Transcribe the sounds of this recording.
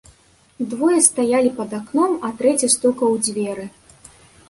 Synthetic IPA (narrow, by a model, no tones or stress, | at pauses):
d̪vɔjɐst̪ajalʲipɐd̪aknɔmɐt̪ɾɛt͡sʲɐst̪ɔkɐwd͡zʲvʲɛɾɨ